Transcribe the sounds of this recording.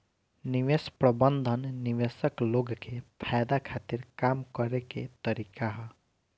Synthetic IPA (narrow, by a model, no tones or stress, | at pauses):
niʋespɾəbənd̪ʱənːiʋesəkloɡkepʰajd̪akʰat̪iɾkamkəɾekḛt̪əɾikaɦ